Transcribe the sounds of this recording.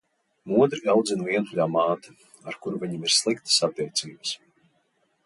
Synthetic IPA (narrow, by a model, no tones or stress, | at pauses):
muɔd̪ɾiawd̪zinviɛnʎʲaːmaːt̪ḁ | aɾkuɾuviɲimiɾ̥slˠikt̪ə̥sab̚d̪ʲɛjt̪sʲiːbəs